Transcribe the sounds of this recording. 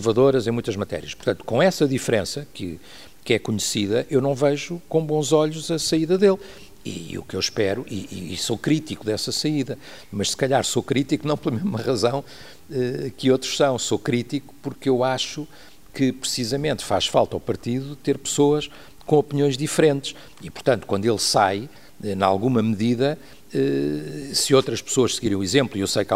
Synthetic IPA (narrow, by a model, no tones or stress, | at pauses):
uvɐðoɾɐzẽj̃mũj̃t̪ɐʒmɐt̪ɛ̰ɾiɐʃpuɾt̪ɐ̃nt̪u̥kõɛsɐðifɾẽsɐkɨ̰ | kɛkuɲsiðɐʔewnɐ̃w̃vɛʒukõbõzɔʎuzɐsɐiðɐðelˠ | ḭṵkewʃpɛɾuʔḭḭsokɾit̪ikuðɛsɐsɐiðɐ | mɐʃsɨ̥kɐʎaɾsokɾit̪ikunɐ̃w̃plˠɐmeʒmɐʁɐzɐ̃w̃ | ɛkɨot̪ɾu̥ʃsɐ̃w̃sokɾit̪iku̥puɾkewaʃu | kɨpɾɨsizɐmẽnt̪faʃfalˠt̪awpɐɾt̪iðut̪eɾpɨ̥soɐʃ | kõɔpniõj̃ʒðifɾẽnt̪ɨʃ | ipuɾt̪ɐ̃nt̪u̥kwɐ̃nd̪welˠsaj | ɛna̰lˠɣumɐmɨðiðɐ | ɛ | sɨowt̪ɾɐʃpɨ̥soɐʃsɨɣiɾɐ̃j̃uizẽmplˠiewsɐjka